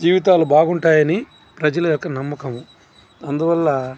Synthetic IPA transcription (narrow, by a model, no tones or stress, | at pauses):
d͡ʒiːʋit̪̬aːlubaːɡuɳʈaːjɐni | pɾɐd͡ʒɐlɐjɔkːɐnɐmːɐkɐmu | ɐnd̪uʋɐlːɐ